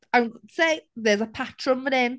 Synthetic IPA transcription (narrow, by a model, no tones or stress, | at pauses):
ə̃nseɪðəzəpʰat͡ʃɹə̃nwənɪ̃n